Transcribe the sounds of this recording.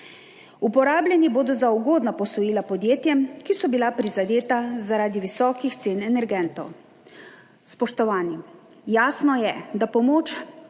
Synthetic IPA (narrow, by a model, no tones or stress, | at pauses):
upɔɾaːblʲjʲɛniboːd̪ɔzauɡoːd̪napɔsɔjiːlapɔd̪jeːt̪jɛmkisɔbilapɾizad̪eːt̪azaɾaːd̪iʋisɔːkixt̪seːnɛnɛɾɡɛnt̪ɔw | spɔʃt̪ɔʋaːni | jaːsnɔjɛd̪apɔmoːt͡ʃ